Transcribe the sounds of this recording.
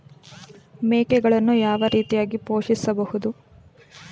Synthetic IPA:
meːkɛɡɐɭɐnːujaːʋɐɾiːt̪ijaːɡipoːʂisɐbɐhud̪u

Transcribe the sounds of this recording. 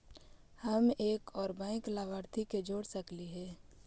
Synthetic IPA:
həmeːkɔːɾbãːɪ̃klaːbaːɾt̪ʰiked͡ʒoːɽsəkliɦɛ̃ː

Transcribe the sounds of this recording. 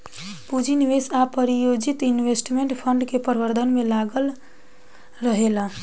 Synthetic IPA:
pud͡ʒiniʋesapəɾijod͡ʒit̪inʋesʈmeɳʈpʰəɳɖkepəɾbəɾd̪ʱənmelaɡəl | ɾəɦela

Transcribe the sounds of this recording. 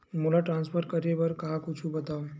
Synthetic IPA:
molaʈɾãːnspʰəɾkɐɾebɐɾkaakʊt͡ʃʰubɐt̪aːo

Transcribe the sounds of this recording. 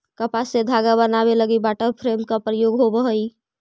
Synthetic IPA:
kəpased̪ʱaːɡabənabeləɡibaːʈəɾpʰɾemkapɾəjoːɡɦobəɦəi

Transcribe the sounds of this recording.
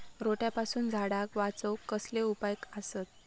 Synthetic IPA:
ɾoʈjapasuːnd͡zʱaɽakʋat͡səwkːəsleupajkasət̪̚

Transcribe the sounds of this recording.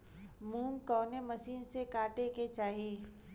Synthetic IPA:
muːmkɔːnemɐsiːnsekaːʈeket͡ʃaːɦiː

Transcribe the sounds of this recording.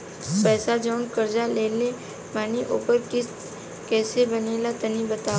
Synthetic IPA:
pɛːsad͡ʒɔːnkəɾd͡ʒaleːle | maːniʔoːpəɾkɪs | kɛːsebəneːlat̪ɐnibət̪aː

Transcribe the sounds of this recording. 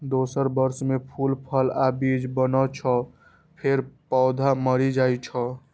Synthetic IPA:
d̪osəɾbəɾsmepʰulpʰəlabid͡ʒbənɔt͡ʃʰə | pʰeɾpɔːd̪ʱaməɾid͡ʒajt͡ʃʰɔ

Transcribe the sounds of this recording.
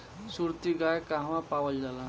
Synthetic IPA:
suɾt̪iɡajkaɦmãpawəld͡ʒala

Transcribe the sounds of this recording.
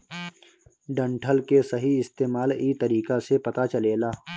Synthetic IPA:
ɖɐ̃ɳʈʰəlkesɐɦiɪst̪eːmaːliːt̪ɐɾiːkasepɐt̪at͡ʃɐleːlaː

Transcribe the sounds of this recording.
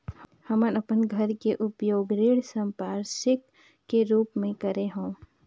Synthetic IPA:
hhɐmənɐpənɡʱɐɾkeʔʊpjoːɡɾiːɽsə̃mpaːɾʃɪk | kːeɾuːpmẽkɐɾeɦõː

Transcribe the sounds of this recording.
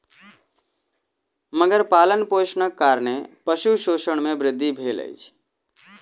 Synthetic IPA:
məɡəɾpalənposnəkːaɾnepəʃuʃoʃəɳ̃mebɾɪd̪ʱːibʱelə̰jt͡ʃʰ

